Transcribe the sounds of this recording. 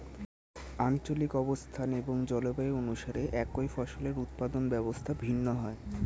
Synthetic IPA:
ant͡ɕolikɔbost̪ʰaneboŋd͡ʑɔlobaeonuʃaɾeʔɛkojfɔʃoleɾut̪̚pad̪onbɛbost̪ʰabʱinːoɦɔe

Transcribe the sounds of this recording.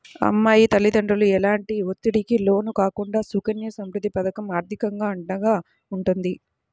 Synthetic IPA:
ɐ̰mːaːjit̪ɐlːid̪ɐɳɖɾɐluɛlaːɳʈiot̪ːiɽikilo̞ːnukaːkuɳɖaːsukɐnjɐsɐmɾud̪ːipɐd̪ɐkɐmaːɾt̪ʰikɐŋɡaːɐɳɖɐɡaː | uɳʈund̪i

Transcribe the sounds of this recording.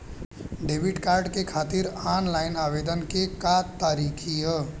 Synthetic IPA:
ɖebʱiɖkaɾɖkekʰat̪iɾanlaɪnabed̪ənkekat̪aɾikʰijə

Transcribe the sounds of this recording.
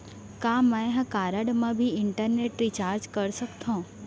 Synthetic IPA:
kãmãẽɦãkaɾəɽmãbʱiɪɳʈəɾneʈɾit͡ʃaɾd͡ʒkəɾʃəkt̪ʰõ

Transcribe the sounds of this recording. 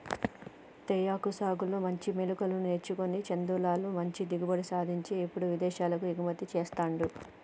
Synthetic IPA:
t̪ejaːkusaːɡulumɐɲt͡ʃimelukɐlunuet͡ʃːuko̞nit͡ʃend̪uːlaːlumɐɲt͡ʃid̪iɡubɐɽisaːd̪ʱiɲt͡ʃiːpːuɽuʋid̪ɛːʃaːlɐkuiɡumɐt̪ːit͡ʃeːst̪aːɳɖu

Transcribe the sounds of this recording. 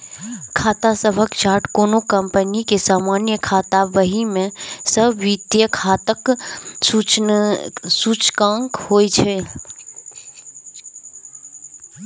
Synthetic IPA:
kʰaːt̪asəbʱəkt͡ʃaːʈkonokəmpənikesaːmanjəkʰat̪aʋəɦimẽsəbʱʋit̪jəkʰat̪əkut͡ʃ | sut͡ʃkãŋkhoːjt͡ʃʰe

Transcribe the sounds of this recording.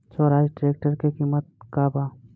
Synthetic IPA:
t͡ʃoːɾaːd͡ʒʈɾeːk̚ʈəɾkekimːət̪̚kabaː

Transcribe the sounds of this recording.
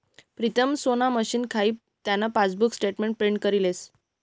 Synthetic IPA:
pɾit̪ʰəmsonaməɕiːnkʰaiː | t̪janːapat͡sbuksʈeʈmeɳʈ̚pɾeɳɖkəɾiles

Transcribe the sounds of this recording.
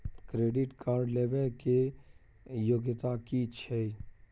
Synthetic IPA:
kɾeːɖɪʈkʰaːɾɖleːʋelke | joːɡjət̪akit͡ʃʰɛ

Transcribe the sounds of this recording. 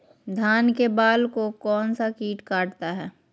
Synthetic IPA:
d̪ʱaːnkebaːlkokɔːnsakiːʈkaːʈt̪aɦɛː

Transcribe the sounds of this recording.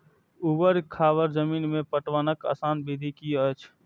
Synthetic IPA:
ubəɾkʰaːʋəɾd͡ʒəmiːnmẽpəʈʋanəka̰ːsaːnbid̪ʱikiət͡ʃʰ

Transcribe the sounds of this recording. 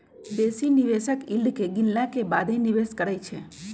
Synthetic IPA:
d̪esiniʋesəkilɖkeɡɪnlakebad̪ʱeniʋeskəɾət͡ʃʰe

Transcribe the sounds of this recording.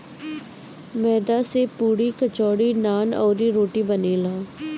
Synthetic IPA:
mɛːd̪aːseːpuːɽiːkət͡ʃɔːɽiːnaːnɔːɾiːɾoːʈiːbəneːlaː

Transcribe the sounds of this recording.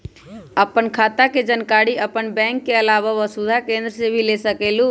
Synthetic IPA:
əpənkʰat̪aked͡ʒənkaɽiəpənbɛ̃ŋkːeəlaβaʋəsud̪ʱakẽnd̪ɾəsebʱilesəkelu

